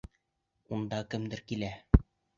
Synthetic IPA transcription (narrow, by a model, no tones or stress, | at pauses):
und̪ɑkɘ̆md̪ɘɾkilæ